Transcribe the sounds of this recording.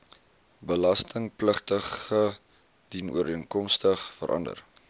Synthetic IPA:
bəlɐstəŋpləχtəχə | dinṵəɾiənkɔmstəχfə̰ɾʔɐ̰ndə̰r

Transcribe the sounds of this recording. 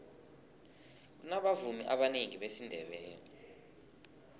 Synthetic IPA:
k̬unaɓavumiʔaɓaneŋiɓesindʱɛɓɛːni

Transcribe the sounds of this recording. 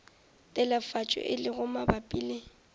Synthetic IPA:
tʼɛlafat͡ʃʼɔ̰ʔɪlɪɣʊmabapʼiːle

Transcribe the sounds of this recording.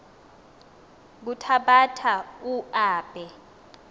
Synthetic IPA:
k̬utʰaɓatʰauaːb̥ʱɛ

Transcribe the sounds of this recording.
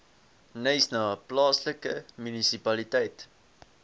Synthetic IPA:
nɛjsnɑːplɑːsləkəmynisipɐlitɛjt

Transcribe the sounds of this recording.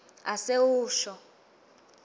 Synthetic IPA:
asewuːʃɔ

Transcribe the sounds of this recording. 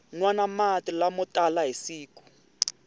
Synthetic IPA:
nwanamatʼilamʊtʼalaɦisiːku̥

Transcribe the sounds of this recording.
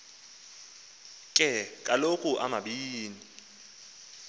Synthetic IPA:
kʼɛkʼalokʼuʔa̰maɓiːni

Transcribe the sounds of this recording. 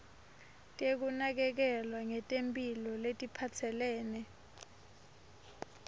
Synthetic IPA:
tʼek̬unak̬ɛk̬ɛlwaŋɛtʼempʼilɔletʼipʰat͡sʰɛlɛːnɛ

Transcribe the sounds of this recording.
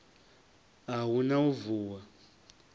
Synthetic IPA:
aɦunauvuːwa

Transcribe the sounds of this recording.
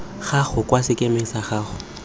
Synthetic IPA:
χaχʊkʼwasɪkʼemɪsaχaːχʊ

